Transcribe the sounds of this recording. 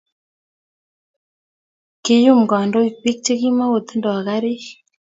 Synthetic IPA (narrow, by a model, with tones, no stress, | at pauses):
ke˨ju˦mɡɔ˨ndɔ˦i˨k͡pi˦k̚t͡ʃe˦ki˦ma˦wo˨t̪i˦ndɔ˨a˨ɣa˦ɾi˦